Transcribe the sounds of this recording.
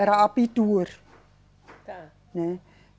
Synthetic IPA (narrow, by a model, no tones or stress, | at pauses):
aɾaapid̪̥ur | ne